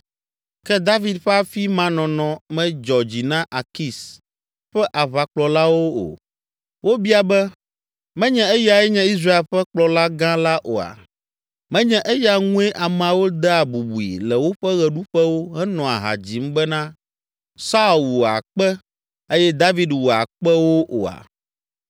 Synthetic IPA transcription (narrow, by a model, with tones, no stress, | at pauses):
kɛ˦d̪a˦vi˨d̪ɸɛ˦a˦fi˦mã˦nɔ̃˨nɔ̃˨mɛ̃˦d͡ʒɔ˨d͡ʑi˨nã˦ʔa˨ki˦s | ɸɛ˦ʔa˨βa˨k͡plɔ˨la˦wo˦o̰˨ | wo˦bi˦a˨bɛ˦ | mɛ̃˦ɲɛ̃˦ɛ˦ja˨ɛ˦ɲɛ̃˦i˦s̬ɾa˦e˨lɸɛ˦k͡plɔ˨la˦ɡã˦la˦ʔo̰˨a̰˨ | mɛ̃˦ɲɛ̃˦ʔɛ˦ja˨ŋũ˦ɛ˦ʔa˨mɛ̃˨a˨wo˦d̪ɛ˦a˨bu˨bu˨ḭ˨lɛ˨wo˦ɸɛ˦ɣɛ˨ɖu˦ɸɛ˦wo˦ɦɛ˦nɔ̃˨a̰˨ɦa̰˨d͡ʑi˨m̩˦bɛ˦nã˦ | sa˦˨u˨wo˨a̰˨k͡pɛ˦ | e˦jɛ˦d̪a˦vi˨dwo˨a̰˨k͡pɛ˦wo˦ʔo̰˨a̰˨